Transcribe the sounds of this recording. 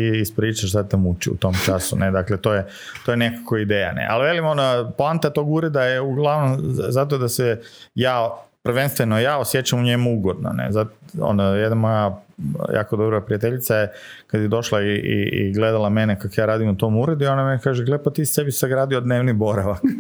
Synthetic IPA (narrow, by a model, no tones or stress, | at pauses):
iispɾiːt͡ʃaʃt̪at̪emut͡ʃḭṵt̪o̞mt͡ʃasṵned̪aklet̪oːje | t̪ojenekakoid̪eːja̰nḛʔa̰lʋelimonoplant̪at̪oɡuɾed̪aeuɡlˠaʋnomzat̪̬od̪asejaːpr̩ʋenst̪ʋenojaːosje̞t͡ʃamuɲemuuɡo̞d̪no̰nḛzao̰nojed̪namo̞jaja̰ːkod̪obɾoapɾiat̪eʎit̪sajekad̪jed̪o̞ʃlaiḭḭɡle̞d̪alˠame̞nekakojaːɾaːd̪imut̪o̞muɾed̪uiond̪amenkaːʒeɡlepat̪iːst̪e̞bisaɡɾaːd̪iod̪neːʋnibo̞ɾaʋak